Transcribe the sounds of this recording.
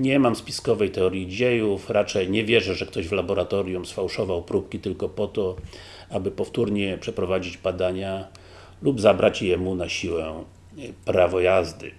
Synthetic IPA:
ɲɛmamspʲi̥skɔvɛjt̪ɛɔɾʲjid͡ʑejufɾat͡ʂɛjɲɛvʲjɛʐɛʐɛkt̪ɔʑvlabɔɾat̪ɔɾʲjumsfawʂɔvawpɾupkʲit̪ɘlkɔpɔt̪ɔ | abɘpɔft̪uɾɲɛpʂɛpɾɔvad͡ʑid͡ʑbad̪aɲa | lubzabɾat͡ɕjɛmunaɕiwɛ | pɾavɔjazd̪ɘ̰

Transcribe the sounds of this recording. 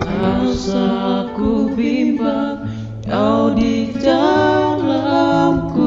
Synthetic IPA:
asakubiba | ʔawdid͡ʒalaku

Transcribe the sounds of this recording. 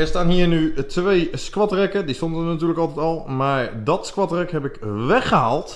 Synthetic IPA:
ɛstaːnɦiːɹnytʋejskʋɑtrɛkədistondəənatyːləkɑlˠtɛtɔlˠmaːɹdɔtskʋɑtrɛkɦɛpɪkʋɛxəɦaːlˠt

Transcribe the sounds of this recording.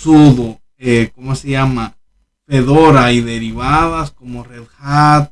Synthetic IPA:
suðo | ekomoseʝama | peðoɾaiðe̞ɾiβaðasko̞mo̞reðxat̪̚

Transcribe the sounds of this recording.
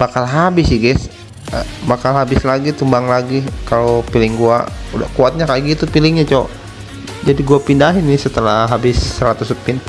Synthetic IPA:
bakalɦabɪsjɛɡɛs | bakalɦabɪslaɡit̪umbaŋlaɡikalopilɪŋɡua̰uda̰kuat̪̚ɲakaɡit̪upilɪŋɲat͡ʃoo̰ | d͡ʒadiɡuapindaɦɪnːɪsət̪əlaɦabɪsːəɾat̪usəpɪn

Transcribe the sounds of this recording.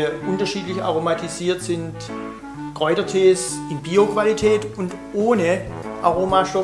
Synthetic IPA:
ʔʊntɐʃiːtlɪça̰ʁomatʰiziːɐtz̥ɪnt | ɡ̥ʁ̥ɔʏdɐtʰeːsɪnbiːokv̥alitʰɛːtʊnt | ʔoːnə | ʔaʁoːmaʃtɔ

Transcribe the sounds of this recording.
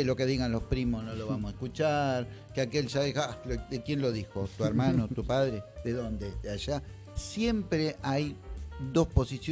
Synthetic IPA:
lo̞ke̞ðiɣanlo̞spɾimo̞noloβamosaeskut͡ʃaɾ | keake̞lʒaðixalodekje̞nlo̞ðixo̞t̪ueɾmanot̪upaðɾeðeðond̪et̪eaʒa | sje̞mpɾeʔajd̪o̞spo̞sisj

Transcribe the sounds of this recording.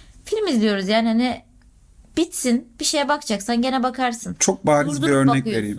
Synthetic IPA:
filʲmizlʲijo̞ɾuzjaːnihani | b̥it̪sinb̥iʃe̞jɛbakd͡ʒaksanɟe̞nɛbakʰaɾsɯnt͡ʃʰok̚baːɾɯzbiøɾnɛcjeɾim

